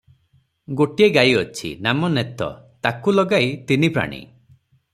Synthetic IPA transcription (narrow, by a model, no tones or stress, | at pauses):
ɡoʈieɡajɔt͡ʃʰḭnamɔnet̪ɔ̰t̪akulɔɡajt̪inipɾa̰ɽ̃ḭ